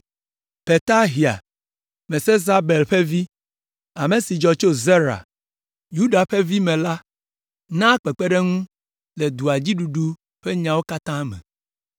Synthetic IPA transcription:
pe˨t̪a˦ɦi˨a̰˨ | mẽ˨se˦za˦be˨lɸe˦vi˦ | a˨me˨si˨d͡ʒɔ˨t͡ʃo˦ze˦ɾa̰˨ | ju˦ɖa˨ɸe˦vi˦mɛ̃˨la˦ | nã˦k͡pe˨k͡pe˦ɖe˦ŋũ˦ | le˨d̪u˨a˨d͡ʑi˦ɖu˨ɖu˦ | ɸe˦ɲã˨wo˦ka˦t̪ã˦mɛ̰̃˨

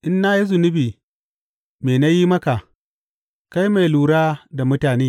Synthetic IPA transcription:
ʔɪ˦nːa˦ji˦zʊ˨nɪ˦biː˨ | meː˨na˦jiː˦mɐ˦ka˨ | ka˦jma˨jluː˨ɽaː˦da˨mʊ˦taː˨neː˦

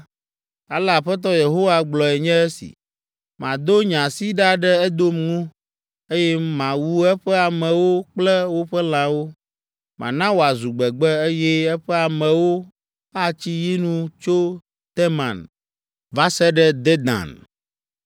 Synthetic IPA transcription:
a˨la˨ɸɛ˦t̪ɔ˦je˨ɦo˦wa˨ɡ͡blɔ˨ɛ˨ɲɛ̃˦ɛ˦sḭ˨ | mã˨d̪o˦ɲã˨si˦ɖa˦ɖɛ˦ɛ˦d̪o˦mŋũ˦ | e˦jɛ˦mã˨wu˦ɛ˦ɸɛ˦a˨mɛ̃˨wo˦k͡plɛ˦wo˦ɸɛ˦l̃ã˨wo˦ | mã̰˨nã˦wo˨a˨zu˨ɡ͡bɛ˨ɡ͡bɛ˦e˦jɛ˦ɛ˦ɸɛ˦a˨mɛ̃˨wo˦ | a˦t͡ɕi˦ji˦nũ˦t͡ʃo˦ | t̪ɛ˦mã̰˨n | va˦sɛ˦ɖɛ˦d̪ɛ˦d̪ã̰˨n

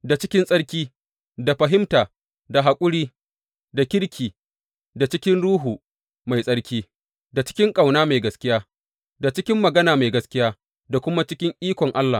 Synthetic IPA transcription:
da˨t͡ʃɪ˦kʲɪ˦nsʼɐ˦ɽkʲiː˦ | da˨ɸɐ˨ɦɪ˦mtaː˨ | da˨ɦa˨kʷʼʊ˦ɽiː˦ | da˨kʲɪ˦ɽkʲiː˨ | da˨t͡ʃɪ˦kʲɪ˦nɽuː˦ɦuː˨ | ma˨jsʼɐ˦ɽkʲiː˦ | da˨t͡ʃɪ̥˦kʲɪ˦ŋkʼa˨wnaː˦ma˨jɡɐ˦skʲɪ˦jaː˦ | da˨t͡ʃɪ˦kʲɪ˦mːɐ˨ɡɐ˦naː˨ma˨jɡɐ˦skʲɪ˦jaː˦ | da˨kʷʊ˦ma˦t͡ʃɪ˦kʲɪ˦ŋʔiː˦kʷɔ˨ŋʔa˦lːaː˨

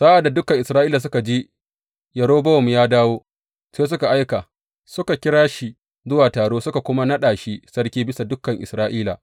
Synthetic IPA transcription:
sa˦ʔa˨dːa˨dʊ˦kːɐ˨ŋʔɪ˨sɾaː˦ʔiː˦la˨s̬ʊ˦ka˨d͡ʒi˦ | jɐ˨ɽoː˦bɐ˦wɐ˨m˨jaː˦daː˦woː˦ | seː˦s̬ʊ˦ka˨ʔa˦jka˨ | sʊ˦ka˨kʲɪ˦ɽaː˦ʃi˨ | zʊ˦waː˨taː˨ɽoː˦sʊ˦ka˨kʷʊ˦ma˦nɐ˦ɗaː˨ʃi˦sɐ˦ɽkʲiː˦bɪ˦sa˨dʊ˦kːɐ˨ŋʔɪ̰˨sɾaː˦ʔiː˦la̰˨

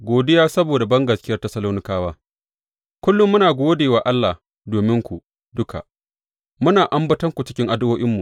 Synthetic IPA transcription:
ɡʷoː˨dɪ˦jaː˦sɐ˦boː˨da˨bɐ˦ŋɡɐ˨skʲɪ˦jɐ˦rtɐ˦sɐ˦loː˦nɪ˦kaː˦waː˦ | kʷʊ˦lːʊ˦mːʊ˦naː˨ɡʷoː˦deː˨waː˨ʔa˦lːa˨ | doː˨mɪ˦ŋkʷu˨ʔ | dʊ˦kʰa̰˨ | mʊ˦naː˨ʔa˦mbɐ˦tɐ˦ŋkʷu˨t͡ʃɪ˦kʲɪ˦ŋʔa˨dwoː˦ʔɪ˦mːu˨

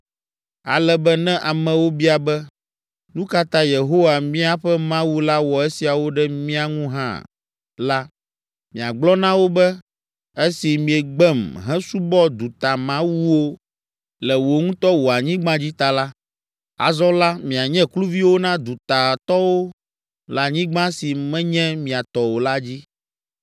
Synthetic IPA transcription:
a̰˨lɛ˦bɛ˦nɛ̃˦ʔa˨mɛ̃˨wo˦bi˦a˨bɛ˦ | nũ˦ka˦t̪ã˦je˨ɦo˦wa˨mĩ˦a˦ɸɛ˦mã˦wu˦la˦wɔ˨e˦si˨a˨wo˦ɖɛ˦mĩ˦a˦ŋũ˦ɦã̰˦ | la˦ | mĩ˨a˨ɡ͡blɔ˦nã˦wo˦bɛ˦ | e˦si˨mĩ˨ɛ˨ɡ͡bɛ˦mɦɛ̃˦su˦bɔ˦d̪u˨t̪a˨mã˦wu˦wo˦ | lɛ˨wo˨ŋũ˦t̪ɔ˦wo˨a˨ɲĩ˦ɡ͡bã˦d͡ʑi˦t̪a˨la˦ | a̰˨zɔ̃˦la˦mĩ˨a˨ɲɛ̃˦klu˦vi˦wo˦nã˦d̪u˨t̪a˨t̪ɔ˦wo˦ | la˨ɲĩ˦ɡ͡bã˦si˨mɛ̃˦ɲɛ̃˦mĩ˨a˨t̪ɔ˨wo˨la˦d͡ʑi˦

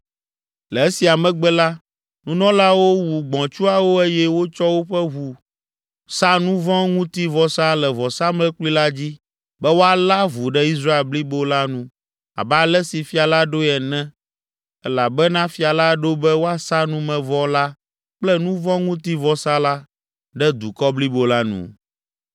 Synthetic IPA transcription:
lɛ˨e˦si˨a˨mɛ̃˨ɡ͡bɛ˦la˦ | nũ˦nɔ̃˦la˦wo˦wu˨ɡ͡bɔ̃˨t͡ʃu˦a˨wo˦e˦jɛ˦wo˦t͡ʃɔ˦wo˦ɸɛ˦ɦu˨ | sa˦nũ˦vɔ̃˦ŋũ˦t̪i˦vɔ˨sa˦lɛ˨vɔ˨sa˦mlɛ̃˦k͡pli˦la˦d͡ʑi˦ | bɛ˦wo˦a˨la˦vu˨ɖɛ˦i˦s̬ɾa˦e˨lbli˦bo˦la˦nũ˦ | a̰˨bɛ˦a˨lɛ˦si˨fi˦a˨la˦ɖo˦ɛ˨nɛ̃˦ | ɛ˦la˨bɛ˦nã˦fi˦a˨la˦ɖo˦bɛ˦wo˦a˦sa˦nũ˦mɛ̃˨vɔ˦la˦ | k͡plɛ˦nũ˦vɔ̃˦ŋũ˦t̪i˦vɔ˨˦sa˦la˦ | ɖɛ˦d̪u˨kɔ˦bli˦bo˨la˦nṵ̃˨

